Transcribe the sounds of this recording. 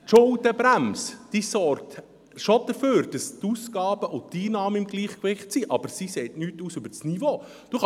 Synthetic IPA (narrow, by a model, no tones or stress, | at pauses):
tʃʊldəbɾæmsd̥isɔɾk̚t | ʃod̪̥əføːɾd̥ɑst̪uːsɡ̥ɑːbəʔʊtiːnɑːmɪmɡliːχkʋɪχtsiʔɑb̥əɾsiseːtnyːtuːsøbəɾsnivoː | d̥uχ